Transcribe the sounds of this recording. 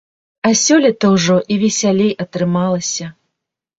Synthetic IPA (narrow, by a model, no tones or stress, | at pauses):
ɐsʲɔlʲɛt̪ɐwʐɔʔivʲɛsʲalʲejʔɐt̪ɾɨmalˠɐsʲɐ